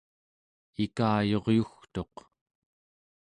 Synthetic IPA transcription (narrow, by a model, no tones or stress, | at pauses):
ikaːjo̞ʁjuxt̪o̞q